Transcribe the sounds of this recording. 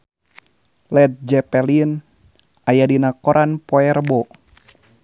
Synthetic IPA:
lɛt̪̚d͡ʒɛpɛlin | ajadinakɔɾʔanpɔɛrbɔ

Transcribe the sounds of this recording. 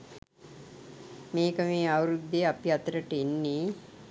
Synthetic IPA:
meːkəmeːawɾud̪ːeapiat̪əɾəʈəinːiː

